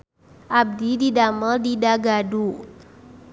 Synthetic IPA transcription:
ʔab̚dididaməldidaɡadu

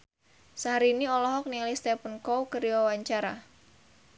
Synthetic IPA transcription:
saɦaɾiniɔlɔɦɔk̚nilist̪ɛpənkɔwkəɾiwawaɲt͡ʃaɾa

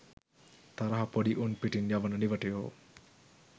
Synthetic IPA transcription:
t̪ɐɾɐɦɐpoɖiʔunpiʈinjaʋənəniʋəʈejo̰ː

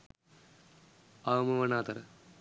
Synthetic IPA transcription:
aːmɐʋɐnaːt̪ɐɾɐ

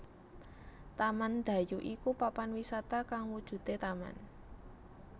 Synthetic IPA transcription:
t̪amand̪̥a̤juʔikupapanwisat̪akaŋwud̥ʒ̥ṳt̪et̪ama̰n

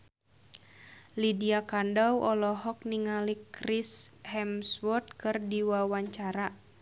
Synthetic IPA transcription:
lidiakandawʔɔlɔɦɔk̚niŋalikrishɛmswɔrt̪̚kɨrdiwawaɲt͡ʃaɾa

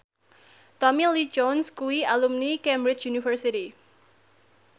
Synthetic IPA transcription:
t̪ɔmilid͡ʒɔnskuwialumnikɛmbɾɪt͡ʃjunifərsiɾi

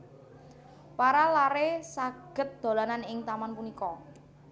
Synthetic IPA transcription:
paɾalaɾesaɡ̥ə̤t̪̚d̪̥o̤lananɪŋt̪amanpunikɔ

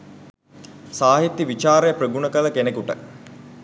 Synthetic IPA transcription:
saːɦit̪ːiʋit͡ʃaːɾejəpreɡunəkələkenekuʈə

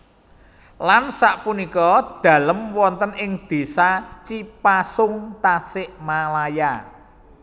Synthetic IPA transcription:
lansaʔpunikɔd̪̥a̤ləmwɔnt̪ənɪŋd̪̥e̤sat͡ʃipasʊŋt̪asɪʔmalaja

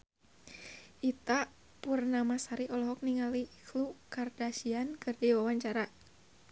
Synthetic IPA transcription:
ʔit̪a | purnamasaɾiʔɔlɔɦɔk̚niŋaliklukardasiankɨrdiwawaɲt͡ʃaɾa

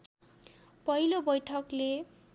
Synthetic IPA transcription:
pʌɦilobʌjʈʰʌkle

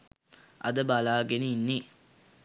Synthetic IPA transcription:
ʔɐ̰d̪əbalaːɡeniinːi

